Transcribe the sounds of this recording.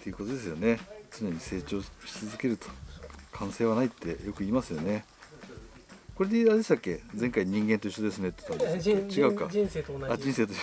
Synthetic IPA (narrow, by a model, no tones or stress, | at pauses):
t̪ʰːe̞jɯ̟kot̪o̞d̪e̞sɨjo̞ne̞t͡sɨne̞ɲ̟ise̞ːt͡ɕo̞ːɕi̥t͡sɨzɨke̞ɾɯ̟t̪o̥kʰãɰ̃se̞ːβanait̪ːe̞jo̞kɯ̟iːmasɨjone̞ | ko̞ɾe̞d̪ead̪est̪akːe̞d͡zẽ̞ŋkaiɲ̟ĩŋɡẽ̞nt̪o̞iɕːod̪e̞sɨne̞t̪ːe̥t̪andest͡ɕiɡaɯka̰ad͡ʑĩse̞ːt̪o